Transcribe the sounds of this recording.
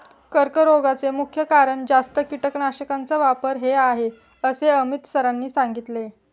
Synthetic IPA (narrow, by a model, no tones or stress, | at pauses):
kəɾkəɾoɡat͡semukʰjəkaɾəɳd͡zast̪əkiʈəknaɕəkant͡səʋapəɾɦeaɦe | əseəmit̪səɾanːiːsaŋɡit̪le